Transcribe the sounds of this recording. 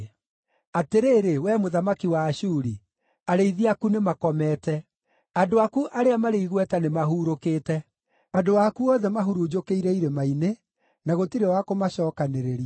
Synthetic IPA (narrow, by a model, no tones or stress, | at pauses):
ateɾeːɾewɛmoðamakiwaːʃuɾi | aɾeiðiakunemakɔmɛːtɛ | adoakuʔaɾeamaɾeiɣwɛtanemaɦuːɾokeːtɛ | adowakuɔðɛmaɦuɾud͡ʒokeiɾɛiɾemaine | naɣotiɾewakomaɕɔːkaneɾeɾia